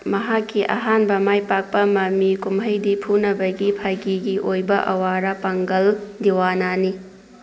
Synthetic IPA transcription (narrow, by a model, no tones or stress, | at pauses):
mɐɦakːiʔɐ̰ɦanbɐmajpak̚pɐmɐmikumɦɐjdipʰunɐbɐɡipʰajɡiɡiʔojbɐʔɐ̰waɾɐpaŋɡɐldiwanani